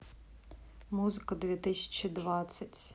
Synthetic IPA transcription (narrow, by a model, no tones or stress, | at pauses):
muzɪkɐd̪ʋʲit̪ɪsʲɐ̥t͡ʃʲid̪ʋɑsʲːɐtʲ